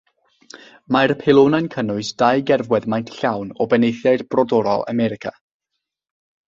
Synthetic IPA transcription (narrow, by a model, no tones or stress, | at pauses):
maɾpʰelˠonajnkʰənʊɨsd̥ajɡɛrvwɛðmajntɬawnɔbɛnejθjaɨrb̥rɔdɔɾɔ̰lˠa̰mɛɾɪkʰa̰